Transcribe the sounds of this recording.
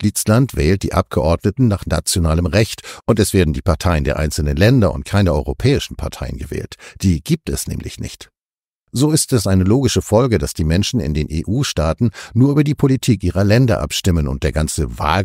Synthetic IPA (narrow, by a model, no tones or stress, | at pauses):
lɪt͡slantv̥ɛːlt̚d̥ḭːʔa̰p̚ɡ̥əʔɔɐdnətn̩naːχna̰t͡sjonaːləmʁɛçtʔʊntɛsv̥eːɐdn̩diːpaɐtʰaɪəndeːɐʔa̰ɪnt͡sl̩nənlɛndɐʊ̰nt̚kʰaɪnəɔʏʁopʰɛːɪʃn̩pʰaɐtʰaɪə̰nɡəvɛ̰ːltd̥iːɡiːp̚tɛsnɛ̰ːmlɪ̰çnɪ̰çt | zoːɪstɛsʔaɪnəloːɡɪʃəfɔlɡədasd̥iːmɛnʃn̩ɪ̰ndeːnʔḛːʔuːʃtaːtn̩nuːɐʔyːbɐdiːpʰolitʰiːkʔiːʁɐlɛndɐ̰ʔa̰pʃtɪmənʊ̰nt̚d̥eːɐɡant͡səva̰ːl